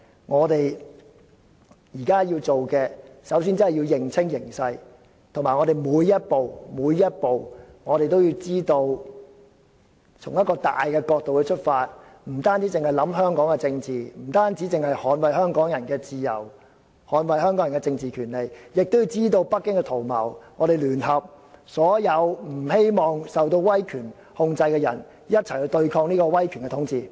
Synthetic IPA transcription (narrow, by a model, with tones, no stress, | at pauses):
ŋɔː˨˧t̪e˨˩j | jiː˨˩kaː˥jiː˧wt͡so˨wkɛː˧sɐ˨˥ws̬iː˥nt͡sɐ˥hɐ˨˩jiː˧wjɪ˨˩ŋt͡sʰɪ˥ŋjɪ˨˩ŋsɐ˧j | t̪ʰŋmaː˨˩jŋɔː˨˧ɾe˨jmuː˨˧˥jːɐ˥t̚po˨wmuː˨˧jːɐ˥t̚po˨w | ŋɔː˨˧ɾe˨jt̪o˥wjiː˧wt͡siː˥t̪o˧w | t͡sʰʊ˨˩ŋjɐ˥t̚kɔː˧t̪a̰ː˨jkɛː˧kɔː˧k̚t̪o˨wkɛː˧t͡ʃʰɵ˥t̚faː˧t̚m̩˨˩t̪aː˥nt͡si˨˥t͡sɪ˨ŋhɐ˨jlɐ˨˥mɦœː˥ŋkɔː˨˥ŋkɛ˧t͡sɪ˧ŋt͡siː˨m̩˨˩t̪aː˥nt͡siː˨˥t͡sɪ˨ŋhɐ˨jhɔː˨˧˥nwɐ˨jhœː˥ŋkɔː˨˥ŋjɐ˨˩nkɛː˧t͡siː˨˧jɐ̰˨˩w | hɔː˨˥nwɐ˨jhœː˥ŋkɔː˨˥jɐ˨˩ŋkɛ˧t͡sɪ˧ŋt͡siː˨˩kʰyː˨˩nle˨jjɪ˨k̚t̪o˥wjiː˧wt͡siː˥t̪o˧wpɐ˥kːɪ˥ŋkɛ˧t̪ʰo˨˩wmɐ̰˨˩wŋɔː˨˧ɾe˨jlyː˨˩nɦɐ˨p̚ | sɔː˨˥jɐ˨˧wm̩˨˩he˥jmɔː˨ŋsɐ˨˩wt̪̬o˧wwɐ˥jkʰyː˨˩n | hʊ˧ŋt͡sɐ˧jkɛː˧jɐ̰˨˩n | jɐ˥t̚t͡sʰɐ˨˩jhi˧wt̪ɵ˧ɥkʰɔː˧ŋ̚niː˥kɔː˧wɐ˥jkʰyː˨˩nkɛ˧t̪ʰʊ˨˥ŋt͡siː˨